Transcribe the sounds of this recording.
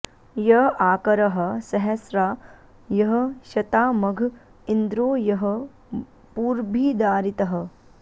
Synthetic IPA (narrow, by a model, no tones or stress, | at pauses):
jɐɦaːkɐɾɐɦɐ̆sɐɦɐsɾaː | jɐɦɐ̆ʃɐt̪aːmɐɡʱ | ind̪ɾoːjɐɦɐ | puːɾbʱiːd̪aːɾit̪ɐɦɐ̆